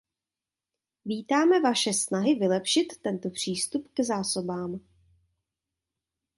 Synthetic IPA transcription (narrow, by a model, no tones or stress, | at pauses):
viːt̪aːmɛvaʃɛsnaɦɪvɪlɛpʃɪt̪ːɛnt̪opr̝̥iːst̪upkzaːsobaːm